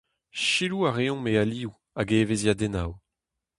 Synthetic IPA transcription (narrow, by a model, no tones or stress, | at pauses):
ʃiluaʁeɔ̃mealiu | aɡeːvezjad̪enaw